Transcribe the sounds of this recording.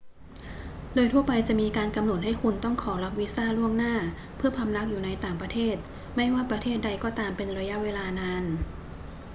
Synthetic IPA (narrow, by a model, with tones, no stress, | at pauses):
doː˧jt̪ʰu˥˩ɐpa˧jt͡ɕa˨˩ʔmiː˧kaː˧nka˧mno˨˩t̪̚ha˥˩jkʰu˧nt̪ɔ˥˩ŋkʰɔː˩˦la˦˥p̚wi˦˥saː˥˩lu˥˩əŋnaː˥˩ | pʰɯ˥˩ɐpʰa˧mla˦˥k̚juː˨˩na˧jt̪aː˨˩ŋpɾa˧t̪ʰeː˥˩t̪̚ | ma˥˩jwaː˥˩pɾa˧t̪ʰeː˥˩t̪̚da˧jkɔː˨˩t̪aː˧mpe˧nɾa˧ja˦˥ʔweː˧laː˧naː˧n